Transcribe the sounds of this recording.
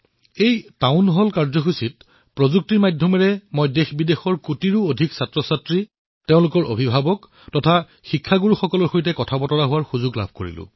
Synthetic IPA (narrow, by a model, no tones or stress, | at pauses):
ejtaʊnɦɔlkaɹzɔxusit̚ | pɹozuk̚tiɹmajdʱɔmɛɹɛmojdexbidexɔɹkutiɹuodʱiksatɹɔsatɹi | teʊ̃lʊkɔɹo̰bʱibʱabɔk | tɔtʰa | xikʰːaɡuɹuxɔkɔlɔɹxojtɛkɔtʰapɔtɔɹaɦʊwaɹxuzʊɡla̰bʱko̰ɹḭlʊ̰̃